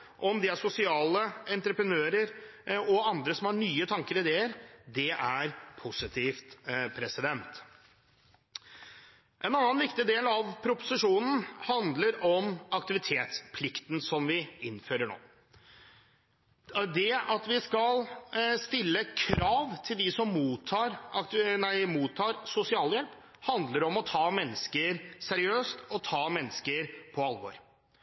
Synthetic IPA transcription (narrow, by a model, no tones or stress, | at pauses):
ʔɔmd̪ɛæʂʊsɪɑːləɛnt̪ɾəpɾənøːɾəɾɔɑnd̪ɾəsɔmhɑɳyːət̪ʰɑŋkəɾɪd̪eːəɾd̪ɛʔæɾpʰʊsɪt̪ʰiːft̪pʰɾɛsɪd̪ɛnt̪ | ʔɛnɑnːnʋɪkt̪ɪd̪eːlɑʋpʰɾʊpʊ̥sɪʂuːnn̩hɑnd̪ləɾɔmɑkt̪ɪʋɪt̪ʰeːt̪spʰlɪkt̪nsɔmʋɪɪnːføːɾəɳo̰ː | d̪ɛɑt̪ʋɪskɑlst̪ɪlːəkʰɾɑːʋt̪ʰɪld̪ɪsɔmːuːt̪ʰːɑːɾɑknæɪmuːt̪ʰːɑːɾsʊsɪɑːljɛlp | hɑnd̪ləɾɔmɔt̪ʰɑːmɛnːəskəɾsæɾɪøːst̪ɔt̪ʰɑːmɛnːəskəɾpʰɔɑlʋo̰ːɾ